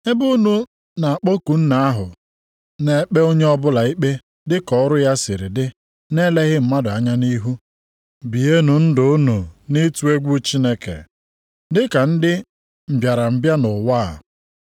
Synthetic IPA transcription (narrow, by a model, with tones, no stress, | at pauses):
e˦bu˦nu˦ | na˨a˨k͡po˦ku˨n̩˦na˨a˦ɦʊ˨ | ne˨˦k͡pe˦o˦ɲe˦ɔ˦bʊ˦la˨i˦k͡pe˦ | dɪ˦kɔ˦ɾʊ˦ja˦sɪ˨ɾɪ˨dɪ˦ | ne˦le˦ɦɪ˦m̩˨ma˦dʊ˨a˦ɲa˦ni˦ɦu˦ | bi˨e˦nu˨n̩˦dʊ˨ʊ˦nu˨ni˦tu˦e˦ɡʷu˦t͡ʃi˦ne˦kḛ˨ | dɪ˦ka˨n̩˦dɪ˦ | m̩˨bja˨ɾa˨m̩˨bja˦nʊ˨waː˦˨